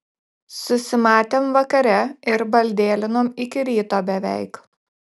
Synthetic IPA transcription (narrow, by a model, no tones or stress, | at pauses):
sʊsʲɪmɑːt̪ʲeːmʋɐkɐɾʲɛɪɾbɐlʲd̪ʲeːlʲɪnoːmɪkʲɪɾʲiːt̪oːbʲɛʋʲɛɪk